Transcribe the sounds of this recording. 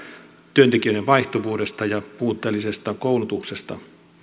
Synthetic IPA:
t̪yønt̪ekiøjɾeʋʋɑiht̪oʋuːde̞st̪ɑjɑpuːt̪ːˑeːlːise̞st̪ɑkowlut̪uksest̪ɑ̰

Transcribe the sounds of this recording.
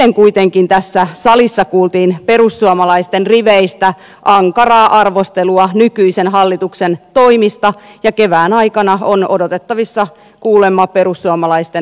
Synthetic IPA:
eŋkuit̪eŋkint̪æsːæsɑlisːɑkuːlt̪iːnpe̞rusːuɑmɑlɑist̪enriʋeist̪æ | ʔɑŋkɑrɑːʔɑrʋost̪eluɑnykyisenɦɑlːit̪uksent̪o̞imist̪ɑjɑkeʋæːnɑikɑnɑonodot̪et̪ːɑʋisːɑ | kuːlemːɑpeɾusːuɑmɑlɑist̪e

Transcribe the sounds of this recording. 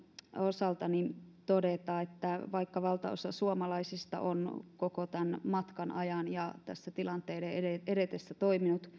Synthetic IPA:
osɑlt̪ɑnint̪odet̪ɑːet̪ːæʋɑikːɑʋɑlt̪ɑ̰o̰sɑsuomɑlɑisist̪ɑ̰ʔo̰nkokot̪ænmɑt̪kɑnʔɑjɑnjɑt̪æsːæt̪ilɑnt̪eːdeeeeɾet̪esːæt̪oiminut̪

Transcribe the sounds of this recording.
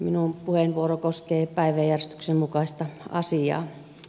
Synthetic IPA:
minumpuhenʋuorokoskeːpæˑiʋæjjærest̪y̥ksemmukɑˑist̪ɑɑ̰siɑ̰ː

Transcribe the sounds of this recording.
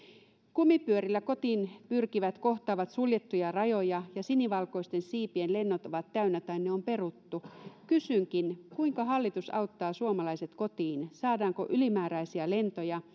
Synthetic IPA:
kumːipyøɾilːæko̞t̪inpyrkiʋæt̪ko̞ht̪ɑːʋɑt̪suljet̪ːujɑrɑjojɑjɑsiniʋɑlko̞ist̪e̞nsiːpienle̞nːot̪oʋɑt̪kæynːæt̪ɑinːeompe̞rut̪ːukysyŋkinkuiŋkɑɦɑlːit̪usɑ̰ut̪ːɑːsuomɑlɑiset̪ko̞t̪iːnsɑːdɑːŋko̰ʔylimæːɾæisiæle̞nt̪ojɑ

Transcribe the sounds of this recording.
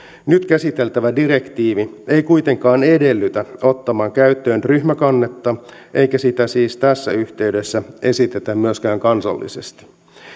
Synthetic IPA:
nyt̪kæsit̪e̞lt̪æʋædiɾe̞kt̪iːʋie̞jkuijt̪e̞ŋkɑːne̞de̞lːyt̪æo̞t̪ːɑmɑːŋkæyt̪ːøːnryçmækɑnːet̪ːɑ | ʔe̞jkæsit̪æsiːst̪æsːæyçt̪e̞yde̞sːæe̞sit̪et̪æmmyøskæːŋkɑnsɑ̰lːḭsest̪i̥

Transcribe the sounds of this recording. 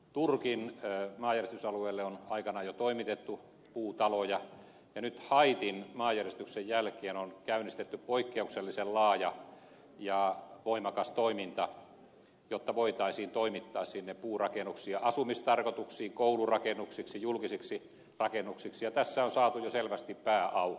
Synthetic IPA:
t̪urkinmɑːjæriest̪ysɑlueːlːeonɑikɑnɑjot̪oimit̪et̪ːu | puːt̪ɑlojɑ | jɑnyt̪hɑit̪inmɑːjærest̪yksejjælkeːnonkæynist̪et̪ːyppoikːeukselːisellɑːjɑ | jɑˑʋoimɑkɑst̪oimint̪ɑ | jot̪ːɑʋoit̪ɑisiːnt̪oimit̪ːɑːssinːeppuːrɑkenuksiɑʔɑsumist̪ɑrkot̪uksiːŋkoulurɑkenːˑuksiksijulkisiksi | rɑkenːˑuksiksijɑt̪æsːæonsɑːt̪ujoselʋæst̪ippæːʔɑu

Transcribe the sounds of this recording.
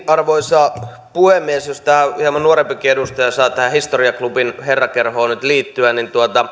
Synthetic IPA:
ɑrʋoisɑː | puhemːiesjost̪æːhiæmɑnuoɾempikiedust̪ɑjɑsɑːt̪æhæhist̪oriɑklupinherːɑkerhoːnyt̪liːt̪ːyænint̪uot̪ɑ

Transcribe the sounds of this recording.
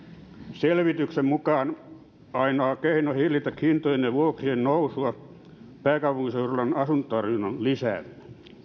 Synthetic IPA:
selʋit̪yksemmukɑːn | ɑinoːkeinohilːit̪ækhint̪ojeneʋuoksiennousuɑ | pæːkɑupuŋkiseurolɑnɑsunt̪t̪ɑrjunɑnlisæ̰ːlːæ

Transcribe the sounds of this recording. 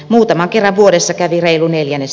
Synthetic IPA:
muːt̪ɑmɑŋkerːɑʋʋuoɾesːɑkæʋireiluneljænːes

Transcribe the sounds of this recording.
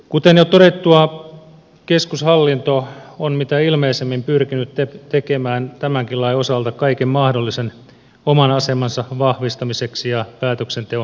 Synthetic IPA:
kut̪enjot̪oɾet̪ːuɑ | keskushɑlːint̪oonmit̪æilmeːsemːimpyrkinyt̪tet̪ekemæːnt̪æmæŋkilɑiosɑlt̪ɑkɑikemmɑhdolːisen | omɑnɑsemɑnsɑʋɑhʋist̪ɑmiseksijɑpæːt̪øksent̪eo

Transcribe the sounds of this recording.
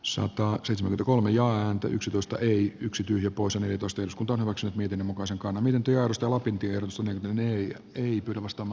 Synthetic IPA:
sɑ̰t̪ɑseˑit̪semæŋkyet̪ækolmejɑːæːnt̪æ̰ʔyksit̪oist̪ɑ̰ʔeiyksit̪yːhiøæpoˑisjɑneljæt̪oˑist̪ɑeːɾuskunt̪ɑonhyʋæksynyt̪miet̪inːemukɑiseŋkɑnːɑmiet̪ent̪ːyjɑerost̪ɑjɑlɑpint̪ieerot̪ust̪neljæknt̪ːneæ̰ | eipyːɾæʋɑst̪ɑːmɑː

